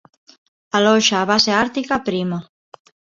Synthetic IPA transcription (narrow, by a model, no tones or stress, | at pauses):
alɔʃaːβaseaɾt̪ikapɾima